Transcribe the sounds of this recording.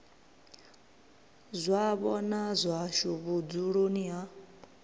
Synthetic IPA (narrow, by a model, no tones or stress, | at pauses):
zʷaβɔnazʷaʃuβud͡zuɺonia